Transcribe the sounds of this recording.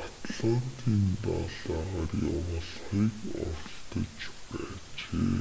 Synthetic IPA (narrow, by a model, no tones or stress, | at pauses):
at̪ɮɔt̪iːnp̪aːɮaːʁaːrjawə̆ɮχiːkɔrɬt̪ɞ̆t͡ɕpæːt͡ɕeː